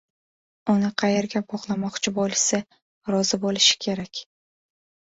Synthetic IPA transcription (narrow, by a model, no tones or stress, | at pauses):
ʊnɪqʰɑjeɾɡʲabɒʁlˠamɒqt͡ʃʰɪbɒlɪsɪ | ɾɒzɪbolɪʃɪ̥kʲʰe̞ɾakʲ